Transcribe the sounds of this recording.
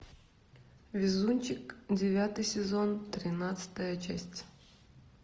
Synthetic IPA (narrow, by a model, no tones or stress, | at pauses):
vʲɪzunʲt͡ɕɪkdʲɪvʲat̪ɨjsʲɪzont̪ɾʲɪnat̪sɨ̥t̪əjət͡ɕæsʲtʲ